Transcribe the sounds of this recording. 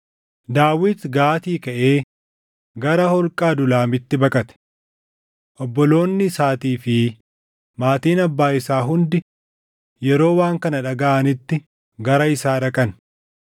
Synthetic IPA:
d̪aːwɪt̪ɡaːt̪iːkɐʔeː | ɡɐɾɐhɔlkʼaːd̪ʊlaːmɪt̪ːɪbɐkʼɐt̪ɛ̥ | ʔɔbːɔlo̞ːnːɪsaːt̪iːfɪ | maːt̪iːnɐbːaːɪsaːɦʊnd̪ɪ | jɛɾo̞ːwaːŋkɐnɐᶑɐɡaʔɐnɪt̪ːɪ | ɡɐɾɐɪsaːᶑɐkʼɐn

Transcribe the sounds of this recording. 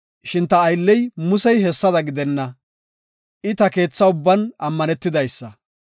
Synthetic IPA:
ʃɪnt̪ɐːjlːɛjmʊsɛjɦɛsːɐd̪ɐɡɪd̪ɛnːɐ | ʔɪt̪ɐke̞ːt͡sːɐʊbːɐnɐmːɐnɛt̪ːɪd̪ɐjsːɐ

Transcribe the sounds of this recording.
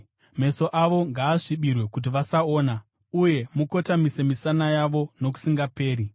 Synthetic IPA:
me̞so̞ʔaʋo̞ŋɡaːʂiɓirwe̞kut̬iʋasaoːna | uje̞muko̞tamisemisanajaʋo̞no̞ku̥siŋɡape̞ːɾi

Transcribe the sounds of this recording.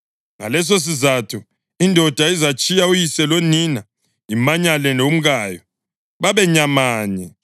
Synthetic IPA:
ŋa̰lɛs̬os̬izatʰu | indʱɔd̥ʱaizat͡ʃʼʰijaujisɛlonina | imaɲalɛnom̩ɣaːjɔ | βaβɛɲamaːɲɛ

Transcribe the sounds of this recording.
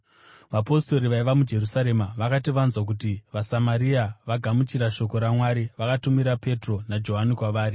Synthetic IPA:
ʋapo̞sto̞ɾiʋaiʋamud͡ʒe̞rusaɾe̞maʋakatiʋanzwak̬utiʋasamaɾiaʋaɡʱamut͡ʃiɾaʃo̞ko̞ɾamwaɾiʋakatumiɾape̞tro̞nad͡ʒo̞ɦanikwaʋaːɾi

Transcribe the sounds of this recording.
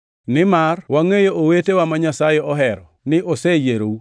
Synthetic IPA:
nɪmarwaŋejoʔowetewamaɲasajɛɔɦɛɾɔ̰ | nɪʔosejeɾou

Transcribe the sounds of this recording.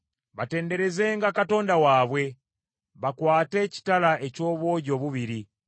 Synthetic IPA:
βate̞ːnde̞ɾe̞ze̞ŋɡakato̞ːndawaːβwe̞ | βakwaːte̞ci̥talaʔe̞co̞ːβo̞ɟo̞βuβiɾi

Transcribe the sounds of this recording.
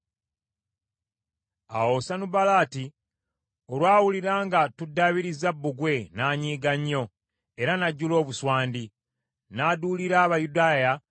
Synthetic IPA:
a̰wo̞sanubalaːti | olwaːwuliɾaːŋɡatudːaβiɾizabːuɡwe̞naːɲiːɡaɲːo̞ | e̞ɾanaɟːulo̞ːβuswaːndi | naːduːliɾaːβajudaːja

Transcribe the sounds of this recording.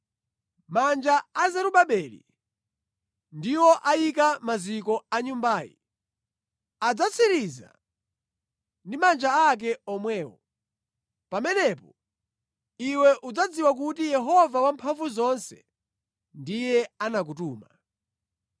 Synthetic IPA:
mand͡ʒaazɛɾuɓaɓɛlḭ | ndiwɔʔajikamazikɔaɲumbaːjḭ | ad͡zat͡sʰiɾiza̰ | ndimand͡ʒaak̬ɛɔmwɛːwɔ̰ | pamɛnɛpɔ | iwɛʔud͡zad͡ziwak̬ut̬ijɛɦɔvawampʰaɱvuzɔnsɛ | ndijɛanak̬utuːma

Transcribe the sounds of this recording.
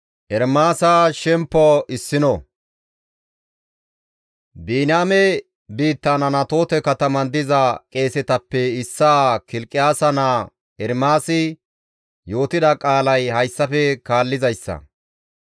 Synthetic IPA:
ʔɛɾmaːsaʃɛmpːɔʔɪsːɪnɔ | biːnaːmɛ | biːt̪ːɐnɐnɐt̪o̞ːt̪ɛkɐt̪ɐmɐnd̪ɪzɐkʼe̞ːsɛt̪ɐpːɛɪsːaːkɪlkʼːɪjaːsɐna | ɛɾmaːsɪ | jo̞ːt̪ɪd̪ɐkʼaːlɐjhɐjsːɐfɛkaːlːɪzɐjsːɐ̰

